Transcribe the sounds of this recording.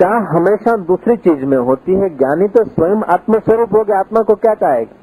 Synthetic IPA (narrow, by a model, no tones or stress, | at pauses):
jaːɦɐmeːʃad̪uːsɾit͡ʃiːzmẽɦoːt̪iɦɛɡjaːnit̪osʋəjəma̰ːt̪məʃəɾuːpɦoːɡeaːt̪makokjaːt͡ʃaːek